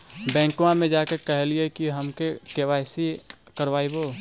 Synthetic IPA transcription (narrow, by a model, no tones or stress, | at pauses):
bɛ̃ːŋkuãmẽd͡ʒaːkekɛɦeliekiɦəmkekeʋaːɪsi | kəɾʋaːiboː